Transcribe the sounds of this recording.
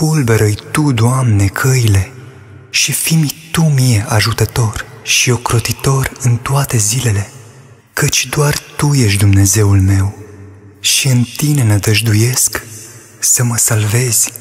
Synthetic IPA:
ulbeɾəjt̪ud̪oamne̞kʰəile̞ | ʃifimt̪umijeʔaʒut̪ət̪o̞r | ʃiokɾo̞t̪it̪o̞rɨnt̪oat̪e̞zile̞le̞ | kət͡ʃʲd̪oart̪ujeʃ̬ʲd̪umne̞ze̞ulme̞w | ʃiɨnt̪ine̞nəd̪əʒd̪uje̞sk | səməsalve̞z̥ʲ

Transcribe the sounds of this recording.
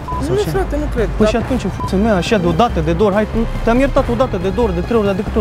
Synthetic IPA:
ɾat̪enukɾed̪pəʃiat̪unt͡ʃʲefusemeaʃad̪eod̪at̪əd̪ed̪oɾɦajt̪t̪eamjɛɾt̪at̪od̪at̪əd̪ed̪oɾd̪et̪ɾeod̪ad̪ikət̪o

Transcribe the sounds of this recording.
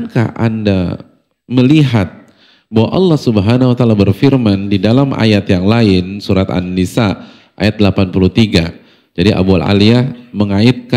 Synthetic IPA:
nka̰hʔa̰nda | məliɦat̪̚ | bawaʔɑlːɑhsubəɦanawat̪alabərfirmandidalamʔa̰jat̪jaŋlaɪnsuɾat̪a̰nːisa | ʔa̰jat̪̚dəlapanpulut̪iɡa | d͡ʒadiʔa̰bua̰la̰liahməŋaɪt̪̚ka

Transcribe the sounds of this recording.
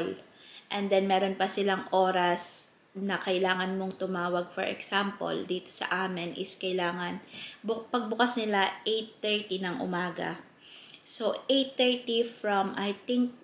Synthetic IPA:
l | ʔɛnd̪ɛnmɛːɾonpɐsɪlaŋʔo̞ːɾɐs | nɐkɐʔɪlaːŋɐnmoŋt̪ʊmaːwɐɡ̚fɔ̰ɹʔɛ̰ksampo̰ld̪iːt̪o̥sɐ̰ʔaːmɪnʔɪskɐɪlaːŋɐnbʊpɐɡ̚bʊkasnɪlaʔejt̪ːɛɹt̪inɐŋʔʊ̰maːɡɐ̰ | soʔejt̪ːɛɹt̪ifɹɐmʔajt̪ɪŋk̚

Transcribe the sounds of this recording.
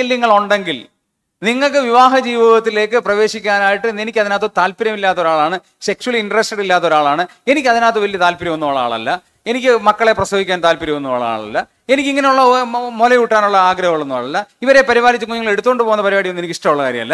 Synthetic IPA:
elːiŋːɐɭuɳɖe̞ŋɡil | niŋːɐɭkɨʋiʋaːɦɐd͡ʑiːʋɐɣɐt̪ːile̞ːkːɨprɐʋe̞ːɕikʲːaːnaːjiʈːɨnenikʲːɐðinaːt̪ːɐt̪aːlpiɾɐmilːaːt̪ːɐo̞ɾaːɭaːɳɨ | se̞kʂuwɐliɳɖɐresʈeɽilːaːt̪ːo̞ɾaːɭaːɳɨe̞nikʲːɐðinaːt̪̬ːɐʋɐlijɐt̪aːlpiɾjɐmonːuʋoːɭa̰ːɭɐ̰lːɐ | e̞nikʲːɨmɐkːɐɭe̞prɐsɐbikʲːaːnt̪aːlpiɾɐmonːuʋa̰ːɭa̰ːɭɐ̰lːɐ | e̞nikʲːiŋːɐneuɭːɐmolɐjuʈːaːnuɭːɐaːɡɾɐɦɣɐɭunːuʋa̰ːɭɐlːɐiʋɐɾe̞pɐɾiʋaːɾit͡ɕːukːuɲːiŋːɐɭe̞ɽut̪ːuoɳɖɨpo̞ːɣunːɐpɐɾiʋaːɽiʋɐnːueikʲːiʂʈɐmuɭːɐkaːɾjɐmɐlːɐ

